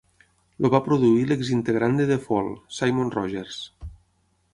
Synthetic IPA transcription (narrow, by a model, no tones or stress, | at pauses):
lʔoβapɾoðuileɡzint̪eɣɾand̪eðefɔlˠsajmonrɔʒeɾs